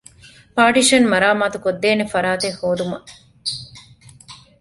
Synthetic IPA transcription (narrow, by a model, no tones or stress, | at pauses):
paːʈiʃɐnmɐɾaːmaːt̪ukod̪ːeːnefɐɾaːt̪ehoːd̪umɐ